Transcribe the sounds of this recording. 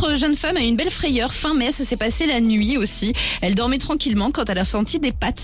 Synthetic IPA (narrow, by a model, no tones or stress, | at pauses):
χəʒœnfamaynbɛlfχɛjœʁfɛ̃mɛsasɛpaselanɥiosiɛld̪ɔʁmɛt̪χɑ̃kʲilmɑ̃kɑ̃t̪ɛlasɑ̃t̪id̪epat̪